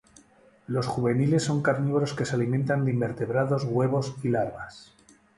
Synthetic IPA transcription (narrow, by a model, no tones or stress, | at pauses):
lo̞sxuβe̞nile̞sːo̞ŋkaɾniβɾo̞ske̞salimẽnt̪and̪eimbe̞ɾt̪e̞βɾaðo̞zɣwe̞β̞o̞silaɾβas